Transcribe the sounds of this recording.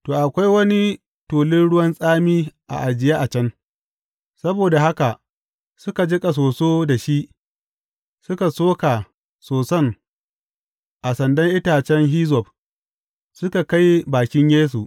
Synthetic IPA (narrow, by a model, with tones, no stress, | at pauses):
toː˨ʔa˨kʷa˦jwɐ˦ni˦ | toː˨lɪ˦nɽʊ˦wɐ˦nsʼaː˦miː˦ʔa̰˨ʔa˨d͡ʒɪ˨jaː˦ʔa˨t͡ʃɐ˦n | sɐ˦boː˨da˨ɦa˦ka˨ʔ | sʊ˦ka˨d͡ʒɪ˦kʼa˨s̬oː˨soː˦da˨ʃi˦ʔ | sʊ˦ka˨soː˦ka˨ | soː˨sɐ˦˨ŋ | ʔa˨sɐ˨ndɐ˦ŋʔɪ˦taː˨t͡ʃɛ˦ŋɦiː˦zɔ˨b | sʊ˦ka˨ka˦jbaː˨kʲɪ˦ɲjeː˦s̬u˨ʔ